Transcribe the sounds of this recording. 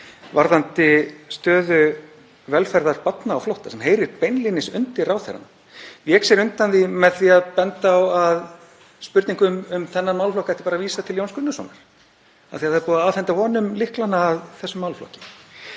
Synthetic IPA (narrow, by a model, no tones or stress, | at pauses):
vaɾðant̪ɪst̪œːðʏ | vɛlfɛɾðaɾ̥pat̪naːwflowht̪asɛmɦeːjɾɪɾpejnlinːɪsʏnt̪ɪɾawθɛ̰ɾa̰n | vjɛːksɛɾʏnt̪anðimɛðθiaðpɛnt̪aːwað | spʏɾt̪niŋkʏmʏmθɛnːamawlflɔhkaɛht̪ɪ̥paɾaviːsat̪ʰɪljownskʏnːasɔ̰naɾ̥ | a̰ðθiaðθaðɾpuːðaaːhɛnt̪avɔːnʏmlɪhklanaːðθɛsːʏmːawlflɔ̰hcɪ̥m